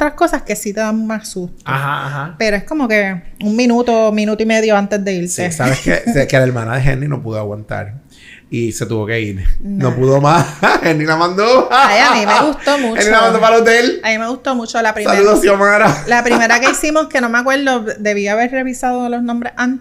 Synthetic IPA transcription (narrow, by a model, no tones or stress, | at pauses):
t̪ɾahko̞saske̞sit̪eðammassust̪aɦaaɦape̞ɾoe̞sko̞mo̞ke̞uŋmĩnut̪omĩnut̪oime̞ðjo̞ant̪e̞zd̪e̞iɾt̪esaβeskḛseekelaeɾmanaðeɦḛnrino̰puðoaɣwant̪a̰ɾ | ise̞t̪uβo̞ke̞iɾnnopuðomahenilamãnd̪oaiamimeɣust̪omũenilamãnd̪opalod̪elamimeɣust̪o̞mut͡ʃolapɾialuðosjomaɾalapɾime̞ɾakeisimo̞ske̞no̞meakwe̞ɾðod̪e̞βiaːβe̞ɾre̞βisaðolosnõmbɾehan